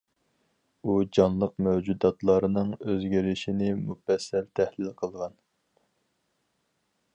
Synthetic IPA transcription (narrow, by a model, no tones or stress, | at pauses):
ud͡ʒɑnlˠəq̚mɛwd͡ʒud̪ɑt̪lˠɑɾɨnɨŋøzɡʲiɾɪʃinɪmufɛsːɛlt̪ʰæhlɪlqʰəlˠʁɑn